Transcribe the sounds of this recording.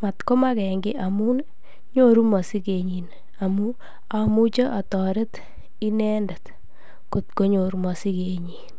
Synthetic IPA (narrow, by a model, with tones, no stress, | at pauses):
ma˨tko˦ma˦kɛ˨ŋɡɪ˦ʔamu˦n | ɲo˨ɾu˦mɔ˨si˦ke˨ɲi˨n | a˨mu˦ | a˨mu˦t͡ʃe˦ʔa˨tɔ˨ɾe˦t | i˦nɛ˦nda˨t | ku˨t̚ko˦ɲo˨ɾu˦mɔ˨si˦ke˨ɲiː˨n